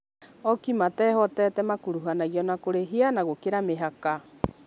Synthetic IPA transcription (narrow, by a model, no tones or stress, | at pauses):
ɔkimatɛɦɔtɛtɛmakuɾuɦanaijɔnakoɾeɦianaɣokeɾameɦaka